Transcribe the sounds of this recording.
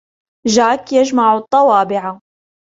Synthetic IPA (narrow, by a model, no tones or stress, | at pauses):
ʒaːkjaʒmaʕt̪ˤːɑwɑːbɪʕa